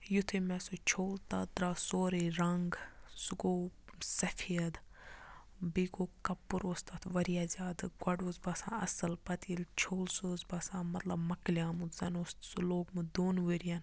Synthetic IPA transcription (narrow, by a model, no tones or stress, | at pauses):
jut̪ʰemɛsot͡ʃʰoːlt̪aːd̪ɾaːsoːɾeɾɐŋɡsuɡoːsɐfʰiɐd̪ | biɡoːkɐpːuɾoːst̪at̪ʰʋɐɾijaːzʲaːd̪ɡwɐɖoːzbɐsã̰ːɐ̰səlpɐt̪iilt͡ʃʰoːlsoːzbɐsãːmɐt̪lɐbmɐklijãːmuzɐnoːst̪suloːɡmud̪oːnʋəɾijan